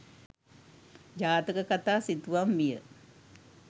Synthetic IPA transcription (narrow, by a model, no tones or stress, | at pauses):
d͡ʒaːt̪əkəkat̪asit̪uʋamːijə